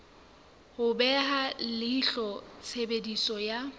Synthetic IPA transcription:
hʊbɛɦalɪiɬɔt͡sʰebedisɔja

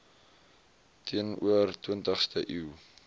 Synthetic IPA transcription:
tʰiənṵərtwiəntəχstəʔiː

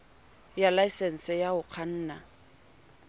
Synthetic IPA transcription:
jalaisɛn̩sɛjaʊq͡χʰan̩ːna

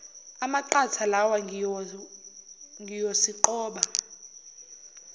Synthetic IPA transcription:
amaǃat͡sʰalawa | ŋɡijosiǃɔːɓa

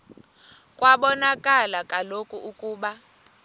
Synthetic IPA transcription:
kʼwaɓɔnakʼalakʼalokʼuukʼuːɓa

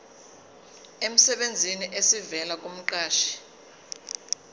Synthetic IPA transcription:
em̩sɛɓend͡zʱiniʔesivɛlakʼom̩ǃaːʃi̥

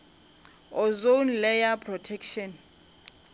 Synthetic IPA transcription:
ɔzonlɛjapʰrɔtʰɛkʃɔn

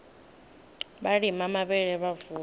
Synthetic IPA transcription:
ɓaɺimamaɓɛɺɛβavuː

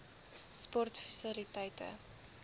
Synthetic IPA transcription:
spɔrtfəsəlitɛjtə̰

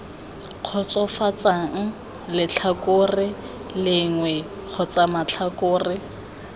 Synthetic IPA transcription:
q͡χʰɔt͡sɔfat͡sʼaŋ̩ | lɪt͡ɬʰakorɪ | lɪŋwɛ | k͡xʰɔt͡sʼamat͡ɬʰakʼʊːrɪ

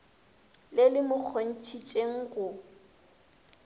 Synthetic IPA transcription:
lɪlɪmʊk͡xʰon̩t͡ʃʰit͡ʃʼeŋ̩ɣʊ

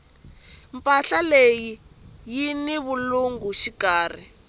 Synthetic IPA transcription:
mpʼaɬalejijiniβuluŋɡuʃikaːr̤ḭ

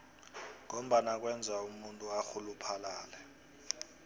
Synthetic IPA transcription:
ŋom̩ɓanak̬ʼwɛnd͡zʱaumuntʼuaxulupʰalaːlɛ

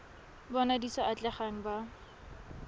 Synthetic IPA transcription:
bɔnadisɔʔat͡ɬɛχaŋ̩ba

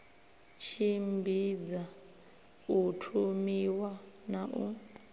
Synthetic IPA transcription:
t͡ʃʰimbʱid͡za | utʰumiwanaʔṵ

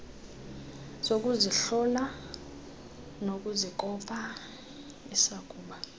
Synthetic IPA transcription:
sok̬ʼuziɬɔla | nok̬ʼuzikʼɔpʰʼa | isakʼuːɓa

